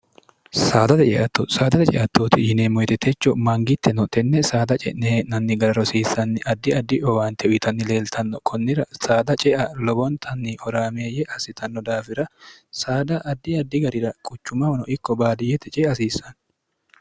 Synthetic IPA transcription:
saːd̪ɐt̪ɛt͡ʃʼɛ̰ʔɐt̪ːosaːd̪ɐt̪ɛt͡ʃʼɛ̰ʔɐt̪ːoːt̪ɪjɪneːmɔjt̪ɛt̪ʰɛt͡ʃːɔmɐŋɡɪt̪ːɛnɔt̪ɛnːɛsaːd̪ɐt͡ʃʼɛnenɐnːɪɡɐɾɐɾɔsiːsɐnːɪʔɐd̪ːɪɐd̪ːɪʔɔwaːnt̪ɛʔʊɪt̪ɐnːɪle̞ːlt̪ʰɐnːɔkʰɔnːɪɾɐsaːd̪ɐt͡ʃʼɛʔɐlɔbɔnt̪ʰɐnːɪhɔɾaːmeːjɛʔɐsɪt̪ʰɐnːɔd̪aːfɪɾɐsaːd̪ɐʔɐd̪ːɪɐd̪ːɪɡɐɾɪɾɐkʼʊt͡ʃːʊmɐwɐnɔʔɪkːɔbaːd̪ɪjːɛt̪ɛt͡ʃʼɛɐsiːsɐn

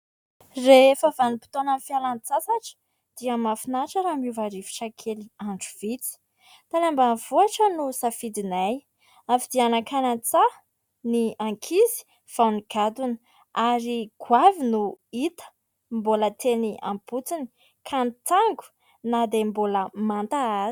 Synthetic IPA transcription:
refavanipi̥t̪onəfialant͡sasaʈ͡ʂə̥ | d̪̥iəmafinaʈ͡ʂəɾamuvaɾifi̥ʈ͡ʂakʰeliaɳɖ͡ʐuv̥it͡si̥ | t̪anambanv̥uaʈ͡ʂənusafid̪inaj | afid̪ianakʰanant͡sa | niaŋkʰizi̥ | v̥awniɡ̥ad̪unə̥ | aɾiɡ̥wavinuit̪ə̥ | mbolət̪ʰenia̰mput͡sini̥ | kʰant̪aŋɡu̥ | nad̪emboləmant̪aa

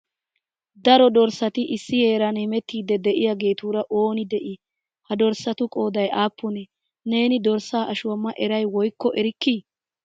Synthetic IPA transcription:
d̪ɐɾɔd̪ɔɾsɐt̪ɪʔɪsːɪheːɾɐnɛmɛt̪ːiːd̪ːɛd̪ɛʔɪjaːɡe̞ːt̪uːɾɐʔo̞ːnɪd̪ɛʔɪ | hɐd̪ɔɾsːɐt̪ʊkʼoːd̪ɐjʔaːpːɔnɛ | ne̞ːnɪd̪ɔɾsaːʔɐʃʊwɐmːɐʔɛɾɐjwɔjkːɔʔɛɾɪkːi

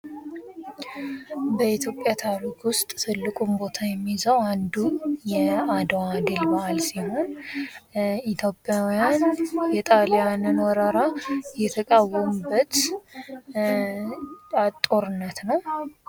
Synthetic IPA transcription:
bəit̪ʰjo̞pʼːjat̪ʰaɾikwʊst̪ʼt̪ʰɨlːɨkʼumbo̞t̪ʰajɛmːizəwand̪ujɛad̪wad̪ɨlbaʔalsiho̞n | it̪ʰjo̞pʼːjawjanjɛt̪ʼalijanɨnwɔɾəɾajɛt̪ʰəkʼawːɔmɨbːət̪ | at̪ʼːo̞ɾɨnːət̪nəw

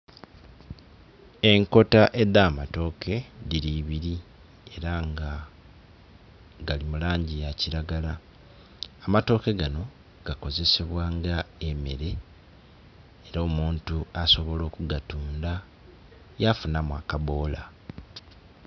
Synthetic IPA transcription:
e̞ŋko̞taʔe̞d̪aːmato̞ːkʰe̞diɾiβiɾi | e̞ɾaŋɡa | ɡalimulaːɲɟijaciɾaɡalaː | mato̞ːke̞ɡano̞ | ɡ̥ako̞ze̞se̞βwaːŋɡae̞me̞ɾe̞ | ɾo̞ːmuːntuaso̞βo̞lo̞ːkuɡatuːnda | jafunamwa̰kaβo̞ːla

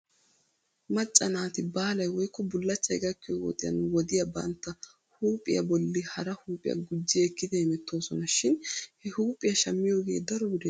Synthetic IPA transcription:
mɐt͡ʃʼːɐnaːt̪ɪbaːlɐjwɔjkːɔbʊlːɐt͡ʃːɐjɡɐkːɪjowɔ̰t̪ʼɪjɐ̰nwɔd̪ɪjɐbɐ̰nt̪ːɐ | huːpʼɪ̰jɐ̰bɔlːɪhɐɾɐhuːpʼɪjɐ̰ɡʊd͡ʒːɪjkːɪd̪ɛɛmɛt̪ʰːo̞ːsɔnɐʃɪnhɛhuːpʼːɪjɐʃɐmːɪjoːɡe̞̰ːd̪ɐɾɔɡʊd̪ɛ

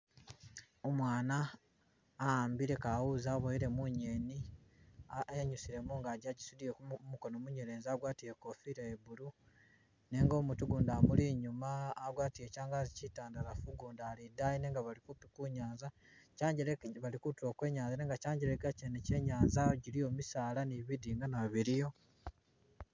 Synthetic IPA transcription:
omwaːnaː | aːmbiɾe̞kawuzaβoiɾe̞muɲeni | eɲusiɾe̞muŋɡadaɟisudiekumukonomuɲeɾeːnzaɡwaːtijeko̞fiɾaeβulu | ne̞ŋɡo̞ːmutuɡuːndaːmuliɲumaːɡwaːtijecaːŋɡazicitaːndaɾafuɡuːndaːlidajine̞ːŋɡaβalikupikuɲaːnza | caːɲɟeleβalikutulo̞ːkwe̞ːɲaːnzaneːŋɡacaːɲɟeɾeɡacenece̞ɲaːnzajoɟilijo̞ːmisaːlaniβidiŋɡanaβiɾijo̞

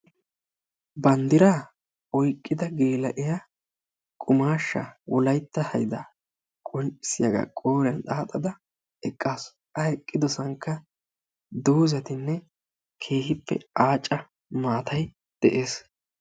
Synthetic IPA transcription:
bɐnd̪ɪɾaː | ɔjkʼːɪd̪ɐɡe̞ːlɐʔɪja | kʼʊmaːʃːɐ̰wɔlɐjt̪ːɐhɐjd̪ɐ | kʼɔnt͡ʃʼɪsɪjɐɡɐ̰kʼoːɾɛɐnt̪ʼaːt̪ʼːɐd̪ɐ | ɛkʼːaːs | ʔɐɛkʼːɪd̪ɔsɐŋkːɐ | d̪uːzɐt̪ɪnːɛ | kʰe̞ːhɪpːɛ̰aːt͡ʃʼːɐ | maːt̪ʰɐj | d̪̥ɛʔe̞ːs

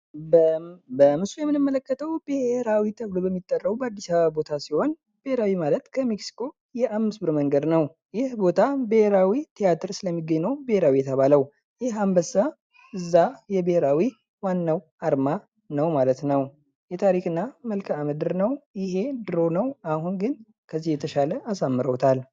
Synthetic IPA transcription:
bəmɨsujɛmːɨnɨmːələkːət̪ʰəwbɨheɾawit̪ʰəβlobəmːit̪ʼːərːəubəad̪ːisaβəβbo̞t̪ʰasiho̞n | b̥eheɾawimalət̪kʰəmiksi̥kʰo̞ | jɛʔamːɨsbɨɾməŋɡəd̪nəw | jɪhbo̞t̪ʰabɨheɾawit̪ʰijat̪ʰɨɾsɨləmːiɡːəɲːnːəwbɨheɾawijɛt̪ʰəβaləw | jɪhambəsa | ɨzːajɛbəheɾawi | wanːaw | aɾma | nəwmalət̪nəw | jɛt̪ʰaɾikɨnːaməlkʰəaməd̪ɨɾnəwjɪɦe̞d̪ɨɾo̞nəwaɦunɡɨn | kʰəzːihjɛt̪ʰəʃaləʔasamːɨɾəwt̪ʰal

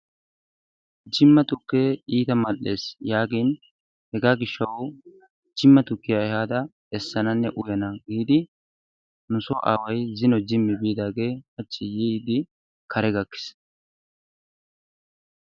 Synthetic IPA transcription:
d͡ʒɪmːɐt̪ʊkːeːiːt̪ɐmɐlːe̞̰ːsjaːɡeːn | hɛɡaːɡɪʃːɐw | d͡ʒɪmːɐt̪ʊkːɪjaɛhaːd̪ɐ | ɛsːɐnɐnːɛʔʊjɐnɐɡiːd̪ɪ | nʊsɔʔa̰ːwɐjzɪnɔd͡ʒɪmːɪbiːd̪aːɡe̞ːhɐt͡ʃːɪjiːd̪ɪ | kʰɐɾɛɡɐkːɪ̥s

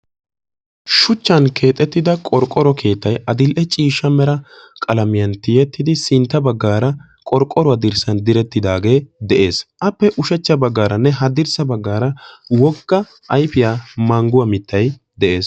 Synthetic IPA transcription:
ʃʊt͡ʃːɐnkʰe̞ːt̪ʼɛt̪ːɪd̪ɐkʼɔɾkʼːɔɾɔkʰe̞ːt̪ːɐjɐd̪ɪlʔɛt͡ʃʼiːʃːɐmɛɾɐ | kʼɐlɐmɪjɐnt̪ɪjɛt̪ːɪd̪ɪsɪnt̪ːɐbɐɡːaːɾɐ | kʼɔɾkʼːɔɾʊwɐd̪ɪɾsɐnd̪ɪɾɛt̪ːɪd̪aːɡe̞ːd̪ɛʔe̞ːsʔɐpːɛʔʊʃɛt͡ʃːɐbɐɡːaːɾɐnːɛɦɐd̪ɪɾsɐbɐɡːaːɾɐwɔɡːɐ | ʔɐjfɪjaːmaːŋɡʊwɐmɪt̪ːɐj | d̪ɛʔe̞ːs

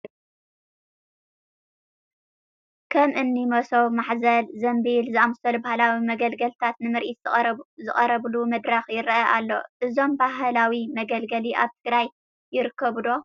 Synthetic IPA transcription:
kʰɐmʔɨnːimɐsowmaħzɐlzɐmbilzɨamɐsɐlbahlawimɐɡɐlɡɐlt̪ʰat̪nɨmɨɾʔit̪zɨχʼɐɾɐβlumɐd̪ɾɐxjɪɾʔɐʔalːo̞̰ʔɨzo̞mbaɦlawimɐɡɐlɡɐliʔa̰βt̪ʰɨɡɾajː | ɪɾɨkʰːɐβd̪o̞

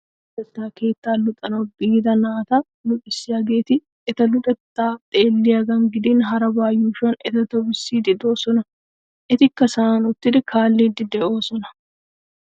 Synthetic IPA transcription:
ʊt̪ʼɛt̪ːaːke̞ːt̪ːaːlʊt̪ʼɐnɔbiːd̪ɐnaːt̪ɐ | lʊt̪ʼɪsːɪɐɡeːt̪ɪ | ɛt̪ɐlʊt̪ʼɛt̪ːaːt̪ʼe̞ːlːɪɐɡɐŋɡɪd̪inɦɐɾɐbaːjːuːʃɐnɛt̪ɐt̪ɔbɪsːiːd̪ɪd̪oːsɔnɐ | ʔɪt̪ɪkːɐsanʊt̪ːɪd̪kʰaːlːiːd̪ɪd̪ɛʔoːsɔnɐ

